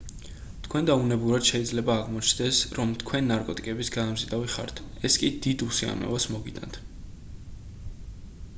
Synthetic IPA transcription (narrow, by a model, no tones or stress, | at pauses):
t̪ʰkʰwɛnd̪aunɛbuɾad̪̥ʃɛid̪zlɛbaːʁmɔt͡ʃʰnd̪ɛsɾɔmt̪ʰkʰwɛnːaɾkʼɔt̪ʼikʼɛbisɡaamzid̪aviχa̰ɾt̪ʰ | ɛskʼid̪id̪usia̰mɛ̰vasmɔɡit̪ʼa̰nt̪ʰ